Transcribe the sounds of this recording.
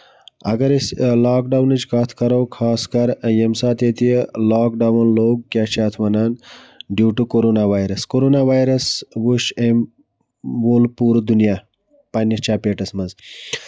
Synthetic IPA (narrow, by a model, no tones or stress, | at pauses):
ɐ̰ɡɐɾeslaːkɖaːwnit͡ʃkaːt̪ʰkɐɾowkʰaːskɐɾjemsaːt̪eːt̪ijelaːkɖawnloːɡ̚kʲaːt͡ʃaːt̪ʰʋɐnaːnɖjuːʈukoɾoːnaːʋaːjɾɐskoɾoːnaːʋaːjɾɐsʋuʃem | ʋoːlpuːɾd̪unjaː | pɐnit͡ʃaːpeːʈɐsmɐnz